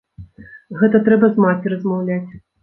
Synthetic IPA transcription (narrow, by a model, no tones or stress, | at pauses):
ɣɛt̪ɐt̪ɾɛbɐzmat͡sʲiɾɐzmawlʲat͡sʲ